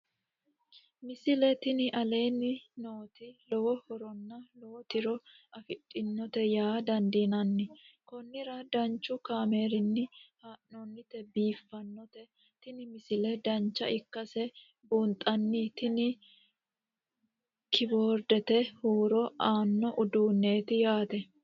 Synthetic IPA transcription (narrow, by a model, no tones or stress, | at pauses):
mɪsɪlɛt̪ɪnɪʔɐle̞ːnːɪnoːt̪ɪlɔwɔhɔɾɔnːɐlɔwɔt̪ɪɾɔɐfɪtʼːɪnːɔt̪ɛjaːd̪ɐnd̪iːnɐnːɪkɔnːɪɾɐd̪ɐnt͡ʃːʊkaːmeːɾɪnːɪhaːʔnɔnːɪt̪ɛbiːfːɐnːɔt̪ɛ | t̪ɪnɪmɪsɪlɛd̪ɐnt͡ʃːɐʔɪkːɐsɛ | buːnt̪ʼɐnːɪt̪ɪnɪ | kɪboːɾd̪ɛt̪ɛhuːɾɔʔaːnːɔʔʊd̪uːnːe̞ːt̪ɪjaːt̪ɛ